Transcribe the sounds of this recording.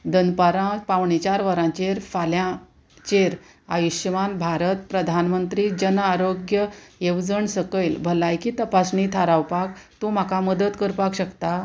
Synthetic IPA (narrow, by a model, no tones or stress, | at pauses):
d̪ənpaɾãpawɳit͡ɕaɾʋəɾãt͡ɕeɾfaljã | t͡ɕeɾ | ajiɕʋanbʱaɾət̪pɾəd̪ʱanmənt̪ɾid͡ʑənaɾoɡjəeʋd͡zəɳsəkəjlbʱəlajkiːt̪əpasnit̪ʰaɾawpakt̪ũm̤akaməd̪ət̪kəɾpakɕəkt̪a